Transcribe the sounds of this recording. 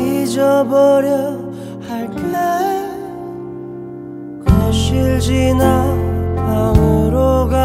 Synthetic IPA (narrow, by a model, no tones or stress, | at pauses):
id͡ʑʌbʌɾjʌ | haɭke | kaɕiɭd͡ʑina | auɾoɡa